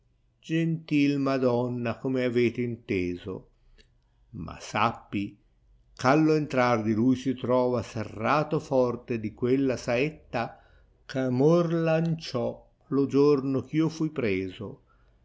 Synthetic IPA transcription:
d͡ʒent̪ilmad̪ɔnːakomeaveːt̪eint̪eːzo̰ | mʔa̰sapːi | kalːoent̪ɾard̪ilujsit̪ɾɔːvaserːaːt̪ofɔrt̪ed̪ikwelːasaet̪ːa | kamorlant͡ʃɔ | lod͡ʒornok̟iːofujpɾeːzo

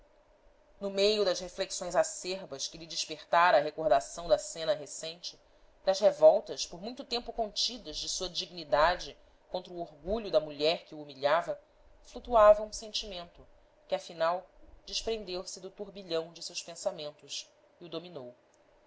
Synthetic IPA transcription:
nʊmejʊd̪ɐʃhefleksõj̃zaseɾbɐʃkɪlɪd͡ʒɪʃpeχt̪aɾɐ̃ɐɦekoɾd̪asɐ̃w̃d̪ɐsẽnɐɦesẽj̃t͡ʃɪ̥ | d̪ɐzhevɔwt̪ɐʃpoɾmũj̃t̪ʊt̪ẽmpʊkõnt͡ʃid̪ɐzd͡ʒɪsuɐd͡ʒiɡnid̪ad͡ʒɪ | kõnt̪ɾɐʊoɾɡuʎʊd̪ɐmuʎɛɾkɪuːmiʎavɐ | flut̪uavɐũsẽnt͡ʃimẽnt̪ʊ | kɪɐfinawd͡ʒiʃpɾẽnd̪ewsɪd̪ʊt̪uɾbiʎɐ̃w̃d͡ʒɪsewspẽsamẽnt̪ʊs | iʊd̪ominow

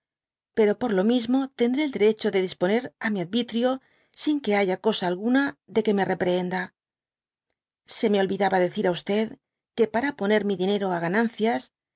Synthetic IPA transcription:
pe̞ɾo̞po̞ɾlo̞mizmo̞t̪e̞nd̪ɾe̞ːld̪e̞ɾe̞t͡ʃo̞ðe̞ðispo̞ne̞ɾamiaðβit̪ɾjo̞ | siŋke̞aʝako̞saːlɣunaðe̞ke̞me̞re̞pɾee̞nd̪a | se̞me̞o̞lβiðaβaðe̞θiɾaust̪e̞ð | ke̞paɾapo̞ne̞ɾmiðine̞ɾoaɣ̞anãnθjas

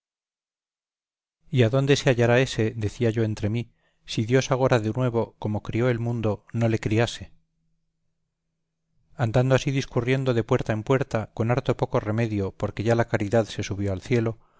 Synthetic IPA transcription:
iaðo̞nd̪e̞seaʝaɾae̞se̞ðe̞θiaʝo̞e̞nt̪ɾe̞mi | siðjo̞saɣ̞o̞ɾaðenwe̞β̞o̞ko̞mo̞kɾio̞e̞lmũnd̪o̞no̞le̞kɾiase̞ | and̪and̪oasiðiskurje̞nd̪o̞ðe̞pwe̞ɾt̪aempwe̞ɾt̪ako̞naɾt̪o̞po̞ko̞re̞me̞ðjo̞po̞ɾke̞ʝalakaɾiðaðse̞suβ̞jo̞alθje̞lo̞

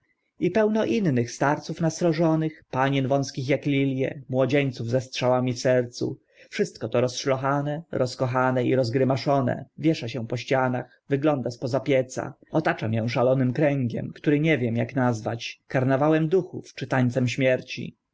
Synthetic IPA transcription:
ipɛwnɔʔinːɘxst̪aɾt̪sufnast̪ɾɔʐɔnɘxpaɲɛnvɔ̃w̃skʲixjaklʲilʲjɛ̰mwɔd͡ʑeɲt̪suvzɛstʂawamʲifsɛɾt̪sṵ | fʂɘst̪̚kɔt̪ɔɾɔsʂlɔxanɛɾɔskɔxanɛiɾɔzɡɾɘmaʂɔnɛ̰vʲjɛʂaɕɛ̃pɔɕt͡ɕanax | vɘɡlɔnd̪aspɔzapʲjɛt̪sa̰ɔt̪at͡ʂamʲjɛw̃ʂalɔnɘmkɾɛŋɡʲɛ̰mkt̪uɾɘɲɛvʲjɛmjaknazvat͡ɕkaɾnavawɛmd̪uxṵft͡ʂɘt̪aɲt̪sɛmɕmʲjɛɾt͡ɕḭ

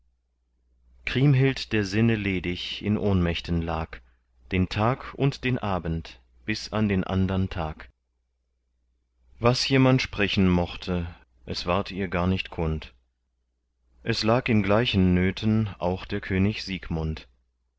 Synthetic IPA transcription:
kʁ̥iːmɦɪltd̥eːɐzɪnəleːdɪçʔɪnʔoːnmɛçtən̩laːk | d̥eːntʰaːkʰʊ̰ntd̥eːnʔaːbn̩t | b̥ɪsandeːnʔa̰ndɐntʰaːk | vasjeːmantʃpʁ̥ɛçn̩mɔχtʰə | ʔɛsv̥aɐtʰiːɐɡaːɐnɪçtkʰʊnt | ʔɛslaːkɪnɡlaɪçən̩ːøːtʰənʔa̰ʊxd̥eːɐkʰøːnɪçz̥iːkmʊnt

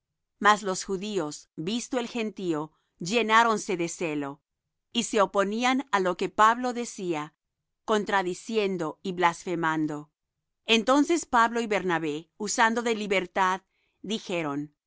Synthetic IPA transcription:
maslo̞sxuðio̞sβist̪oelxe̞nt̪io̞ | ʝe̞naɾo̞nse̞ðeselo̞ | ise̞opo̞nianalo̞ke̞paβlo̞ðe̞sia | ko̞nt̪ɾaðisje̞nd̪oiβlasfe̞mãnd̪o̞ | ent̪o̞nse̞spaβlo̞iβe̞ɾnaβeusand̪o̞ðe̞liβe̞ɾt̪að | ðixe̞ɾo̞n

